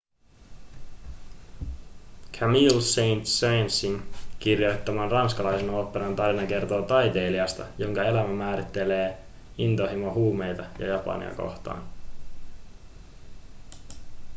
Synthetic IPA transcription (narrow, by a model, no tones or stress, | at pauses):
kʰæmilsejnt̪sejnsiŋkirjo̞jt̪ːɑmɑnrɑnskɑlɑjseno̞ːpːeɾɑnt̪ɑrinɑke̞rt̪o̞ːt̪ɑjt̪e̞ːliɑst̪ɑjo̞ŋkɑe̞læmæmæːɾit̪ːe̞le̞ː | int̪o̞ɦimoɦuːme̞jt̪ɑjɑ̰jɑpɑ̰nḭɑ̰ko̞̰ht̪ɑ̰ːn